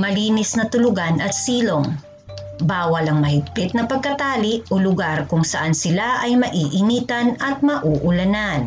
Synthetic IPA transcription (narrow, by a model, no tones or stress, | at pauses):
mɐliːnɪsnɐt̪ʊlʊɡanɐt̪siːloŋ | baːwɐlɐŋmɐhɪt̪̚pɪt̪̚nɐpɐɡ̚kɐt̪aːlɪʔʔolʊɡaɾkʊŋsɐʔansɪlaʔɐjmɐʔiːʔɪniːt̪ɐnɐt̪̚mɐʔuːʔʊlɐnan